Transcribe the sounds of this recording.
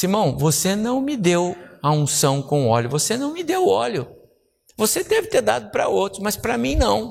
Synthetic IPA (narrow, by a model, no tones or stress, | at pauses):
simɐ̃w̃vosenɐ̃w̃mɪd̪ewɐũsɐ̃w̃kõɔ̰lʊvosenɐ̃w̃mɪd̪ewɔlʊ | vosed̪ɛvɪt̪eɾd̪a̰d̪ʊpɾɐ̰owt̪ɾʊmɐspɾɐmĩj̃nɐ̃w̃